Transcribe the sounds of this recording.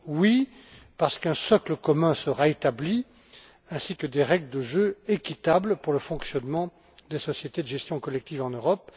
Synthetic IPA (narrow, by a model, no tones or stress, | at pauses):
wipaʁsə̥kɛ̃sɔkləkɔmɛ̃səʁaet̪abli | ɛ̃sikəd̪eʁɛɡləd̪əʒøekʲit̪abləpuʁləfɔ̃ksjɔnmɑ̃ | d̪esɔsjet̪ed̪əʒɛst̪jɔ̃kɔlɛk̚t̪ivɑ̃nøʁɔp̚